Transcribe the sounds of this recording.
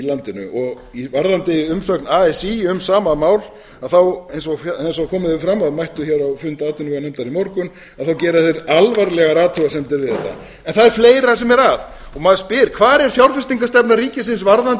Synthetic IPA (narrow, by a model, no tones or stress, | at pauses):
ilant̪ɪnʏ̰ʔɔɣ | ivaɾðant̪ɪʏmsœknaːɛsiʏmsaːmamaːwl | aðθawejnsɔɣfensɔɣkʰɔːmɪðʏfɾamːaðmajht̪ʏçɛɾawfʏnt̪aːt̪ʏnʏkanajmt̪aɾimɔɾkʏn | aðθawcɛːɾaθejɾalvaɾlɛɣaɾaːt̪ʰuasɛmt̪ɪɾvɪðɛht̪ːa̰ | ɛnθaðɛɾ̥fleːjɾasɛmɛɾað | ɔɣmaðspɪɾkʰvaːɾɛɾ̥fjawɾfɪst̪iŋkast̪ɛpnaɾiːcɪsɪnsvaɾðant̪